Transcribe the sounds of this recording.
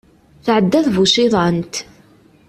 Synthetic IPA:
θʕəd̪ːæθvuʃiðˤɑnt̪

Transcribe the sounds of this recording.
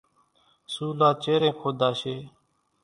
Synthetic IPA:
suːlaːt͡ʃeːɾẽːkʰoːd̪aːseː

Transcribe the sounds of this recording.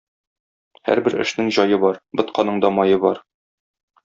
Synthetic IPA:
hæ̰ɾbɘɾɘ̰̆ʃnɘŋʑɒjɤbɒɾbɤ̆t̪qɑnɤɴd̪ɒmɒjɤbɒɾ

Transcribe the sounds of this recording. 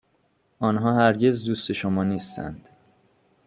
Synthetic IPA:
ʔɒːnɦɒːhæɾɟe̞zd̪uːst̪eʃomɒːniːst̪ʰæ̰nd̪̥

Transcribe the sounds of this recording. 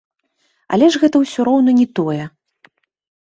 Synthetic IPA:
a̰lʲɛʐɣɛt̪ɐwsʲɔɾɔwnɐnʲɛt̪ɔjɛ

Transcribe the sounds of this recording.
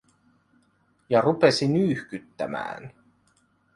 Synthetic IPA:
jɑrupe̞sinyːhkyt̪ːæ̰mæ̰ːn

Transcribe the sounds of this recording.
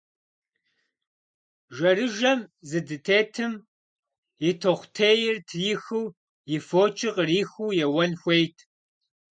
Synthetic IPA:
ʒɐrɨʒɐmzɨdɨtʰeːtʰɨm | jɪtʰoχʷtʰeːjɪrtʰjɪxɨw | jɪfoːt͡ʃʼɪqʼriːxuːjɛwɐnxʷejtʰ

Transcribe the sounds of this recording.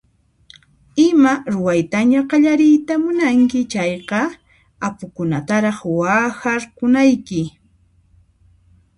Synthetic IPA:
ɪmaɾʊwajt̪aɲaqɑʎaɾɪjt̪amʊnaŋkɪt͡ʃɑjqɑ | apʊkʊnat̪aɾɑχwaːxaɾqʊnajkɪ

